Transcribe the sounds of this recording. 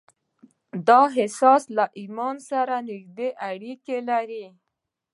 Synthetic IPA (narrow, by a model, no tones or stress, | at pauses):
d̪ɑɦɪsɑslaʔimɑnsaɾanɪkd̪eʔaɽikelaɾi